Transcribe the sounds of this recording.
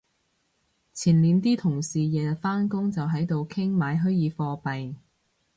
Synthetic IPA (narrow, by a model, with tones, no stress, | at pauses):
t͡sʰiː˨˩nliː˨˧nt̪iː˥t̪ʰʊ˨˩ŋsiː˨jɛː˨faː˥nkʊ˥ŋt͡sɐ˨wɦɐ˨˥jt̪o˨wkʰɪ˥ŋmaː˨˧jɦɵ˥jjiː˨˧fɔː˧pɐ˨j